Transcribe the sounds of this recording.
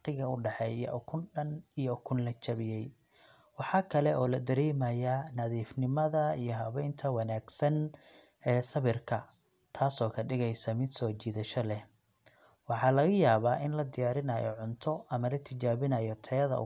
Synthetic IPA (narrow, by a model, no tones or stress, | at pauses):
qɪɣɐʊɖɑħɛjj̰ʔkʰʊnɖɐnijɔkʰʊnlɐt͡ʃɐβɪjɛj | wɑħɑːkʰɐlɛʔɔːlɐd̪ɐɾɛːmɐjanɐðiːfnɪmɐðɐijɔɦɐβɛjnt̪ʰɐwɑnaːɡsɐn | ʔɛːsɐβɪrkʰɐ | t̪ʰaːsɔːkʰɐɖɪɣɛjsɐmɪd̪sɔːt͡ʃiːðɐʃɔlɛ | wɑħɑːlɐɣɐjaːβaːʔɪnlɐd̪ɪjaːɾɪnɐjɔ̰ʕʊnt̪ʰɔʔɐmɐlɐt̪ʰɪt͡ʃaːβɪnɐjɔt̪ʰɛjɐðɐ̰ʊ̰